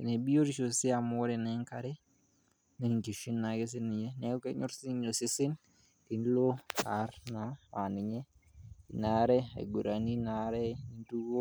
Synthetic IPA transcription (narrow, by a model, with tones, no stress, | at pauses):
i˨ne˨bi˦jo˦ɾi˦ʃo˨si˦a˨mo˦ɾe˨nɛ˨˦ŋka˨ɾe˦ | ne˨i˨ŋki˨ʃi˦nːa˨ɡe˦s̬ɪ˦nɪ˨ɲe˦ne˦o˦ke˦ɲo˦ɾsi˦ɲo˨sɪ˦sɪ˦n | ki˨n˦lo˦a̰˨˦ɾna˨a˨nɪ˨ɲe˦i˨na˨˦ɾɛ˦ḛ˨ɡu˨ɾa˨ni˦na˨˦ɾɛ˦i˨ntu˦ɡo˦